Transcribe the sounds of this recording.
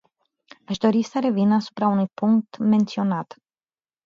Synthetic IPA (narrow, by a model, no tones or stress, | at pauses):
aʃd̪o̞ɾisəɾe̞vinasu̥pɾaunujpuŋk̚t̪me̞nt̪sio̞nat̪